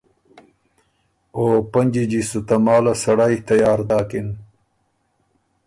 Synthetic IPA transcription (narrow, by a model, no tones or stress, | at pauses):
oːpɐnd͡ʑid͡ʑisut̪ɐmaːlɐsɐɽajt̪ɐjaːɾd̪aːkin